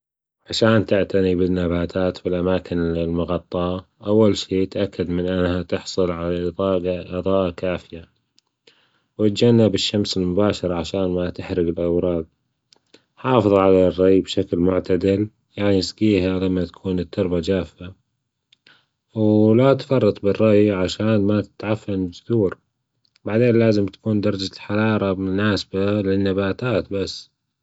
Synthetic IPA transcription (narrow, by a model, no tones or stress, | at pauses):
ʕaʃaːnt̪ɪʕt̪anibɪnːabaːt̪ʰaːt̪bɪlʔamaːkɪnɪlmʊɣɑt̪ˤːɑ | ʔawːalʃiːt̪ʔakːad̪mɪnʔanːhat̪ɪħsˤʊlʕalaˤɑːʔɨðˤɑːʔakaːfɪja | wɪt̪̚d͡ʒanːabɪʃːamsɪlmʊbaːʃɑɾˤʕaʃaːnmat̪ɪħɾɪɡɪlʔawɾˤɑːd̪̚ | ħɑːfɨðˤʕalarˤːɑjbʃaklmʊʕt̪ad̪ɪl | jaʕnisɡiːɦalamːat̪ḁkʰuːnɪt̪ːʊɾbad͡ʒaːfa | wlat̪fɑrˤːɑt̪ˤbɪrˤːɑʔjʕaʃaːnmat̪ɪ̥t̪ʕafːand͡ʒʊθuːɾ | baʕd̪eːnlaːzɪmt̪ḁkuːnd̪ɑɾˤɑd͡ʒaħɑɾˤɑːɾˤɑmʊnaːsabalɪnːabaːt̪aːt̪basː